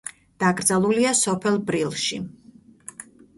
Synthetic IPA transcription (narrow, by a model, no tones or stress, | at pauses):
d̪̥aɡɾd̪zalˠuliasɔpʰɛlˠbɾilˠʃi